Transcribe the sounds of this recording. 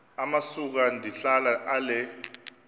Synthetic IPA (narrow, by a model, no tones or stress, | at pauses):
amasuk̬andʱiɬalaʔalɛ